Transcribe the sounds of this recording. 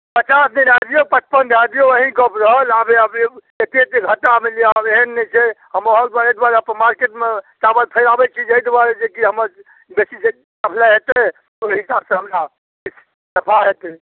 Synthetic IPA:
pət͡ʃasneɾad̪ijopət͡ʃʰpənd̪ad̪ijoəɦĩkəbɾəɦəlabeəb | et̪et̪eɡʱəʈːameliabeɦənːɛt͡ʃʰeɦəmɦold̪aɾed̪uaɾepmaɾkeʈmet͡ʃabəlt̪ʰəɪɾabɛt͡ʃʰid͡ʒəjd̪aɾed͡ʒekiɦəməɾ | besid͡ʒe | kəpʰlaɦet̪e | oɾɦisabsəɦəmɾa | is | səpʰaɦet̪e

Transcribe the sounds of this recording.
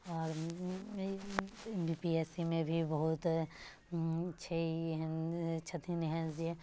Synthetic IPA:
ɔːɾ | biːpiɛːsimẽbʱibɐɦʊt̪ | t͡ʃʰei | t͡ʃʰət̪ʰinɪɦəziɛ

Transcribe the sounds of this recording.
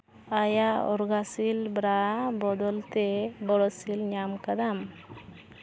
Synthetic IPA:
ajaɔ̰ɾɡasilbɾabɔd̪ɔlt̪ɛbɔɽɔsilɲamkad̪am

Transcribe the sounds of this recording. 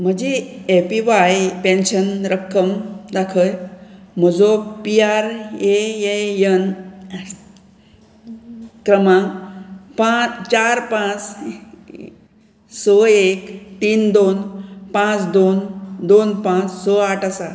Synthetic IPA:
m̤əd͡ʑeepiʋajpẽnɕənɾəkʰːəmd̪akʰəjm̤əd͡zopiaɾejejən | kɾəmã | pãt͡ɕaɾpãt͡s | sɔekt̪iːnd̪onpãt͡sd̪ond̪onpãt͡ssɔaʈʰasa

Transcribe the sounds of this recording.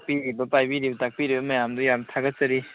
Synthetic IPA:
k̚piɾibɐpajbiɾibɐtak̚piɾibɐmɐjamdujamtʰaɡɐt̚t͡ʃɐɾi

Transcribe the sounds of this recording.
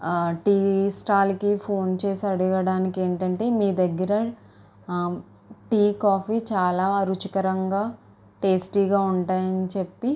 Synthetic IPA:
ʈiːsʈaːlkipʰo̞ːnt͡ʃe̞ːsiɐɽuɡɐɽaːnikeːɳʈɐɳʈe̞ːmiːd̪ɐɡːɐɾɐ | ʈiːkaːpʰiːt͡ʃaːlaːɐɾut͡ʃikɐɾɐŋɡaː | ʈe̞ːsʈiːɡaːuɳʈaːjɐnit͡ʃe̞pːi

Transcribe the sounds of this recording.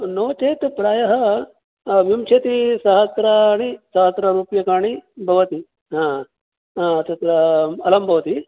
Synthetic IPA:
noːt͡ʃeːt̪pɾaːjɐɦɐ | ʋimt͡ʃʰeːt̪isɐɦɐt̪ɾɐɳ̃isɐɦɐt̪ɾɐɾuːpjɐkaːɳ̃ibʱɐʋɐt̪i | ɦãː | t̪ɐt̪ɾɐɐlɐmbʱɐʋɐt̪i

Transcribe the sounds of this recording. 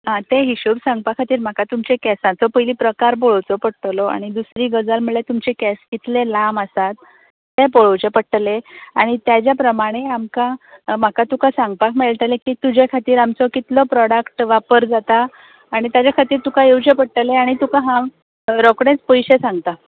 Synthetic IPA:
ɦãt̪eɦiɕuɾsãŋɡ̚pakʰat̪iːɾm̤akat̪umt͡ɕekɛsãt͡sɔpəjliːpɾəkaɾboɭwt͡sɔpəɽʈ̪lɔa̰ɽ̃id̪usɾiːɡəd͡zalm̤əɭlet̪umt͡ɕekɛskit̪lelamasat̪ː | epoɭəwt͡ɕepəʈleaɽ̃it̪jad͡ʑjapɾəmaɽ̃eamkam̤akat̪ukasãŋɡ̚pakmeɭʈ̪alekiːt̪ud͡ʑekʰat̪iːɾamt͡sɔkit̪lɔpɾɔɽəkʈʋapəɾd͡zat̪aː | ɽ̃it̪jad͡ʑjakʰat̪iːɾt̪ukajewt͡ɕepəɽʈəleaɽ̃it̪ukaɦã | ɾɔkɽẽt͡spəjɕesãŋɡt̪a

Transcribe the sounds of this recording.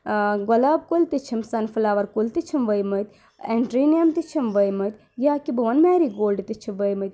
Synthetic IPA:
ɡɐlaːb̚kolt̪it͡ʃʰimsɐnfɨlaːʋɐɾkult̪it͡ʃʰimʋɐjmɐt̪ | eɳʈɾinijɐmt̪it͡ʃʰimʋɐjmɐt̪ | jaːkibɨʋɐnmɛːɾiɡoːlɖt̪it͡ʃʰimʋɐjmɐt̪

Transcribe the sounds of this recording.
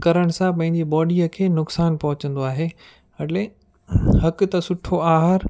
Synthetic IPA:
kɐɾəɽ̃̆sãpɐ̃ɦɪ̃ɲd͡ʑibɔːɖiəkʰeːnʊksaːnpɐɦʊt͡ɕə̃nd̪oaːɦeː | ɐle | hɐkt̪ɐsʊʈʰoaːɦaɾ

